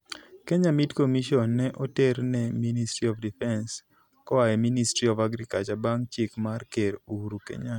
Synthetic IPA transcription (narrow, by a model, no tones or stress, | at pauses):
keɲamitkomiʃɔnːɛʔɔteɾnɛministɾiɔfdifɛns | kɔaɛministɾiɔvaɡɾikat͡ʃabaŋt͡ʃɪkmarkeɾuɾukḛɲa